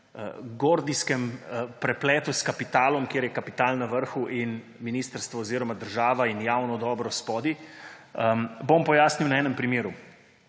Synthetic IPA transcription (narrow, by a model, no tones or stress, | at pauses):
ɡoːɾd̪iskɛmpɾɛplɛːt̪uskapit̪aːlɔmkjeːɾjɛkapit̪aːlnaʋəɾxuʔin | miniːst̪əɾst̪ʋɔoziːɾɔmad̪əɾʒaːʋainjaːwnɔd̪ɔːbɾɔspɔːd̪iəbompɔjaːsniwnaɛːnɛmpɾimeːɾu